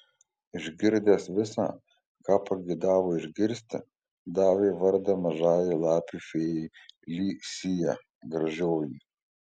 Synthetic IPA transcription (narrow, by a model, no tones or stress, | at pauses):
ɪʒʲɡʲɪɾʲd̪ʲeːsʋʲɪsɑ̰ː | kɑːpɐɡʲɪd̪ɑːʋoːɪʒʲɡʲɪɾʲsʲt̪ʲɪ | d̪ɑːʋʲeːʋɐɾd̪ɐmɐʒɑːjɪlˠɑːpʲifʲeːjɛlʲiːsʲijɛ | ɡɾɐʒʲoːji